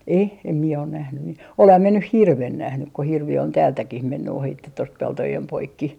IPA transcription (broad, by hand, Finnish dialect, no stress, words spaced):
e em mie on næhny mi olehɑm mie nyh hirʋen næhnyk ko hirʋi on tæːltækih menːy ohitːe tost peltojem poikːi